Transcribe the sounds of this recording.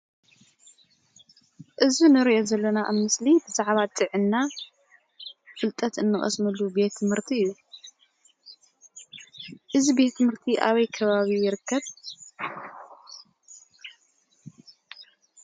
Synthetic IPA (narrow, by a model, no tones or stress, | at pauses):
ʔɨzunɨɾiʔo̞zɐlːɐnaʔa̰mɨslibɨzaʕβat̪ʼɨʕɨnːa | fɨlt̪ʼɐt̪ɨnːɨχʼɐ̰smɐlːube̞t̪ʰːɨmhɨɾt̪ʰiɨjːu | ʔɨzibe̞t̪ʰːɨmhɨɾt̪ʰiʔaβɐjkʰɐβaβijɪɾɨkʰːɐβ